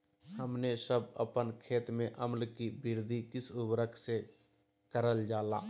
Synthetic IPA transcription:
həmnesəbə̰pənkʰeːt̪mẽʔəmlkibɪɾd̪ʱikɪsʊbɾəkʰse | kəɾəld͡ʒaːla̰ː

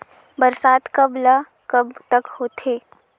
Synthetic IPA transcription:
bəɾsaːt̪kɐbla | kɐbt̪əkhoːt̪ʰeː

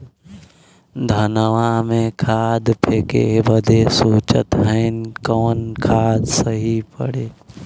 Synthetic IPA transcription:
d̪ʱɐnəʋamẽkʰaːd̪pʰeːkḛbəd̪ʱesoːt͡ʃə̰t̪ɦəɪnkoːnkʰaːd̪səɦipə̰ɽeː

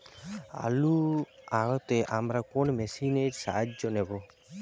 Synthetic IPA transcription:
a̰luaɡɔt̪eʔamɾakɔnmɛsineɾsa̰ɦad͡ʒd͡ʒɔnebɔ

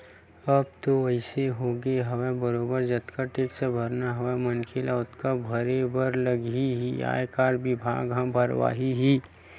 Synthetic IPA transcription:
ɐb̚t̪oəɪseɦoːɡeɦɐʋebəɾoːbəɾd͡ʒɐt̪kaʈeːksebʱɐɾnaɦɐʋemənkʰelaʊt̪kabʱəɾebəɾləɡiɦia̰ːjkaːɾɖbɪbʱa̰ːɡɦãbʱəɾʋa̰ːɦiɦi

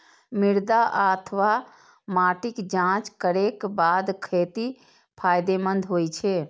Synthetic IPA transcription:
mɪɾd̪aʔət̪ʰʋa | maːʈɪkd͡ʒãːt͡ʃkəɾekbaːd̪kʰeːt̪i | pʰaːjd̪emənd̪ʱɦoːt͡ʃʰe

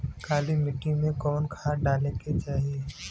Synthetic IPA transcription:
kʰaːlimɪʈːĩmẽkɔːnkʰaːɖaːlẽket͡ʃaːɦije

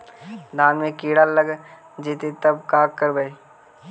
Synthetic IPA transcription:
d̪aːnmẽkiːɽallːəɡ | d͡ʒiːt̪et̪ɐb̚kaːkkːəɾbəi

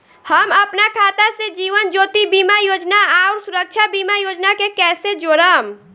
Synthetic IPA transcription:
həməpnakʰaːt̪ased͡ʒiːʋənd͡ʒoːt̪ibiːmajoːd͡ʒnaaʊɾsuɾək̚t͡ʃʰabiːmajoːd͡ʒnakekɛːsed͡ʒoːɾəm

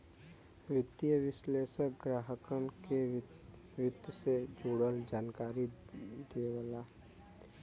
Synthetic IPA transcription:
ʋɪt̪ːijəʋɪʃleːʃəkɡɾaːɦəkəɳke | ʋɪt̪ːsed͡ʒoːɽəld͡ʒaːnkaːɾi | d̪eːwəlaː

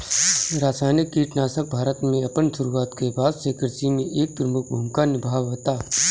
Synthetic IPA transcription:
ɾaːsaːnɪkːiːʈnaːsək̚bʱaːɾət̪mẽɐpənsʊɾuːaːt̪kebaːd̪seːkəɾsimẽʔeːk̚t̪ɾmʊk̚bʱũmkanɪbʱaːʋɦoːt̪aː

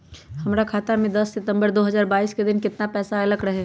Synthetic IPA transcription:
hɐmɾakʰaːt̪amẽd̪ɐsːɪt̪ə̃mbəɾd̪oːɦɐzaːɾbaːiːsked̪ɪnkɪt̪napɛːsaɐləɡɾɐɦɛː

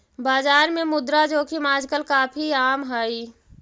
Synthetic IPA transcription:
baːzaːɾmẽmʊd̪ɾad͡ʒoːkʰimaːd͡ʒkəlkaːpʰiaːmɦaːiː

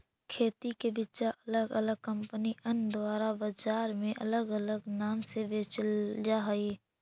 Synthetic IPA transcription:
kʰeːt̪ikebɪt͡ʃaʔɐləɡələɡ̚kə̃mpəniʔənd̪waːɾabəd͡ʒaːɾmẽʔələɡələɡnaːmsebeːt͡ʃld͡ʒaɦi

